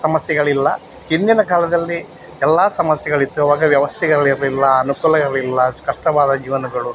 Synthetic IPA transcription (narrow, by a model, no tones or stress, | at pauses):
sɐmɐsjɐɡɐɭilːɐ | hind̪inɐkaːlɐd̪ɐlːi | ɛlːaːsɐmɐsjɐɡɐɭit̪ːuɐʋaːɡɐʋjɐʋɐst̪ʰɛɡɐɭiɾilːɐɐnukuːlɐɡɐlilːɐskɐʂʈɐʋaːd̪ɐd͡ʒiːʋɐnɐɡɐɭu